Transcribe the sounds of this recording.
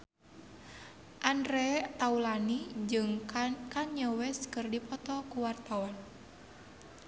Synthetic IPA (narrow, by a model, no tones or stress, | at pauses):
ʔandɾɛt̪aulanid͡ʒɨŋkaɲəwɛskɨrdipɔt̪ɔkuwart̪awan